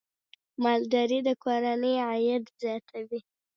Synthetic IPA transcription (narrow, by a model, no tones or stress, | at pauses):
mɑld̪ɑɾid̪əkʰoɾanəjajad̪zjɑt̪ʰawi